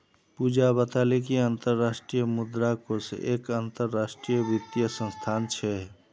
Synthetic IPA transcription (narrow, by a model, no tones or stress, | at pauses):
pud͡ʒabət̪alekiant̪əɾːasʈɾijəmud̪ɾakosʔekant̪əɾːasʈɾijəbit̪ijəsə̃st̪ʰant͡ʃʰɛ